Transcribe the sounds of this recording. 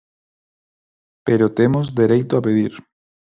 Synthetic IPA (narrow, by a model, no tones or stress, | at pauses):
peɾot̪emozd̪eɾejt̪oapeðiɾ